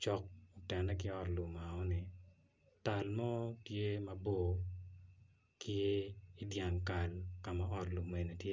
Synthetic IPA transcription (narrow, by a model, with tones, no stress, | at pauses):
t͡ʃɔ˦k̚ɔ˨tɛ˨nɛ˦kɪ˦ɔ˦tlu˨ma˨ɔ˦nɪ˨ | ta˨lmɔ˦tje˦mɐ˨bo˨ | kɪ˦e˦ɪ˦dja˨ŋka˨lka˨ma˨ɔ˦tlu˨me˨ne˨tje˦